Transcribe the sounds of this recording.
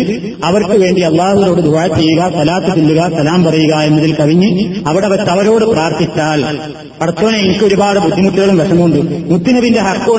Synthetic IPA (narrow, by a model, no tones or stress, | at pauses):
ɐʋɐrkɨʋe̞ːɳɖiɐlˠːaːhuilo̞ːɽɨd̪ʱɐjɐt͡ɕːejuɣɐsɐlaːt̪ːɨt͡ɕulːuɣɐsɐlaːmpɐrɐjuɣɐe̞nːɐðilkɐʋiɲːɨɐʋiɽeɐʋɐɾt̪ɐʋɐɾo̞ːɽɨpraːrt̪ʰit͡ɕːaːl | pɐrɐt̪ːoːneinikʲːoɾubaːɽɨbud̪ʱːimuʈːuɣɐɭumʋɐʂɐmuɳɖɨmud̪ʱːinɐʋinde̞ɦɐkːoː